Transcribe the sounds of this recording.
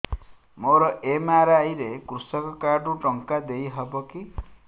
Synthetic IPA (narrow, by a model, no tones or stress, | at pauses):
moɾɔʔemaɾajɾekɾusɔkɔkaɖuʈɔŋkad̪ejɦɔbɔki